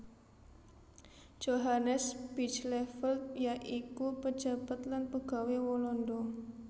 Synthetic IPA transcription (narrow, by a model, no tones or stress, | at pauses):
d͡ʒ̥oɦanəsb̥it͡ʃlɛfəlt̪̚jaʔikupə̥d͡ʒ̥a̤b̥at̪̚lanpəɡ̥a̤wewɔlɔndɔ